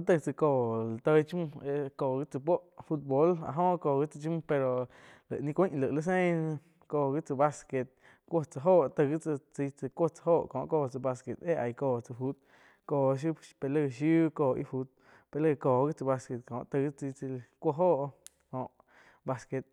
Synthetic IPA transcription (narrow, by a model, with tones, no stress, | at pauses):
t̪ə˧t͡sə˧koː˧˨la˨t̪ə˧˦t͡ʃm˧e˧koː˧˨ɡi˦t͡sɨ˧p̬o˦ʔfu˦t̪̚bo˧˦la̰˧˨ɦõ˦˧koː˧˨ɡi˦t͡sɨ˧t͡ʃu˦m̃˧pe˧ɾo˧ | lə̰˨ʔnĩ˧kʷĩ˦ʔlə˨ʔlə˦s̬ẽ˦ | koː˧˨ɡi˦t͡sə˧ba˧ske˧t̪̚ | kʷo˦t͡sə˧ɦoː˦˨ʔt̪ə˧ɣi˦t͡sə˧t͡si˧t͡sɨ˧kʷo˦t͡sə̥˧ɦoː˦˨ʔkõː˨ʔkoː˧˨t͡sɨ˧ba˧ske˧t̪e˦a˧jkoː˧˨t͡sɨ˧fu˦t̪̚ | koː˧˨ʃ̬u˦pe˧lə˧ʃju˦koː˧˨ʔḭ˦fu˧˦t̪̚ | pe˧lə˦˧koː˧˨ɡi˦t͡sɨ˧ba˧ske˧˨t̪̚kõː˨ʔt̪ə˧ɡi˦t͡si˧t͡sə˧kʷo˦˧ɦoː˦˨ʔ | kõː˨ʔ | ba˧ske˧t̪̚